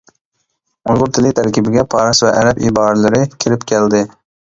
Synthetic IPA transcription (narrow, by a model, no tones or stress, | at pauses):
ʊɾʁʊɾt̪ʰɪlit̪ʰæɾkʲɪbɪɡʲɛpʰɑːɾɛsvɛʔæɾɛpibɑːɾɨlɪɾɪkʲʰɪɾɪpkʲʰɛld̪ɪ